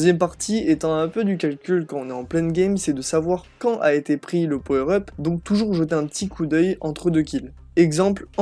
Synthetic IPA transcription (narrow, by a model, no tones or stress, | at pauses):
zjɛmpaʁt̪ʰiet̪ɑ̃ɛ̃pød̪ykalkʲylkɑ̃ɔ̃nɛɑ̃plɛnɡʲɛmsɛd̪əsavwaʁkɑ̃ʔaet̪epχiləpoøʁɔpd̪ɔ̃k̚t̪uʒuʁʒət̪eɛ̃pət̪ikʰud̪œjɑ̃t̪χəd̪økʲil | ɛɡzɑ̃plɑ̃